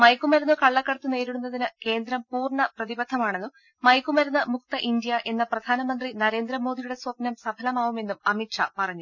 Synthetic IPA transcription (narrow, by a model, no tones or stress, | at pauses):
mɐjkːumɐɾunːɨkɐɭːɐkːɐɽɐt̪ːune̞ːɾiɽunːɐðinɨke̞ːnd̪ɾɐmpuːrɳɐprɐðibɐd̪ʱːɐmaːɳe̞nːu | mɐjkːumɐɾunːɨmuk̚t̪ɐʔind̪ijɐʔe̞nːɐprɐd̪ʱaːnɐmɐnd̪rinɐɾe̞ːnd̪ɾɐmo̞ːd̪ijuɽe̞swɐpnɐmsɐbʱɐlɐmaːʋume̞nːumɐmiʈʂɐ̰pɐrɐɲːu